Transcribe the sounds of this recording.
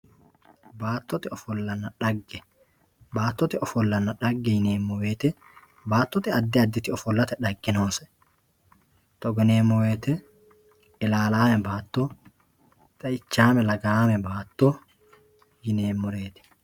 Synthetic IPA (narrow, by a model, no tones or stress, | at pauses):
baːt̪ːɔt̪ɪɔfɔlːɐnːɐᶑɐɡːɛ | baːt̪ːɔt̪ɪɔfɔlːɐnːɐᶑɐɡːɛjɪneːmːɔweːt̪ɛ | baːt̪ːɔt̪ɪɐd̪ːɪɐd̪ːɪt̪ɪɔfɔlːɐt̪ɛᶑɐɡːɪnoːsɛ̥ | t̪ɔɡɔneːmːɔweːt̪ɛ | ɪlaːlaːmɛbaːt̪ːoː | t̪ʼɐɪt͡ʃːaːmɛlɐɡaːmɛbaːt̪ːoː | jɪne̞ːmmɔɾe̞ːt̪ɛ̥